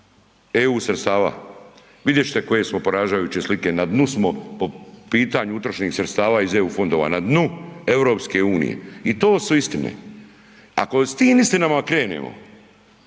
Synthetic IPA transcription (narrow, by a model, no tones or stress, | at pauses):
euːsɾet̪st̪aːʋa̰ | ʋid̪jet͡ʃt̪eko̞je̞smo̞poɾaːd͡ʒajuːt͡ɕeslike̞nad̪nusmo̞po̞piːt̪aɲuut̪ɾoʃniːxsɾet̪st̪aːʋaːize̞uːfo̞nd̪o̞ːʋa̰nad̪nue̞ʋɾo̞ːpske̞uːnḭjḛit̪oːsuist̪inḛ | a̰ko̞st̪iːmist̪inamakɾe̞ːnḛmo̰